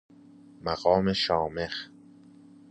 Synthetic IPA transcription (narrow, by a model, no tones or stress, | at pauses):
mæɣɒːme̞ʃɒːme̞x